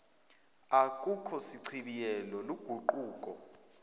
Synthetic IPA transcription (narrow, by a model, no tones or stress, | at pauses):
akʼukʰɔsiǀʰiɓijɛlɔluɡ̥ʱuǃuːkʼɔ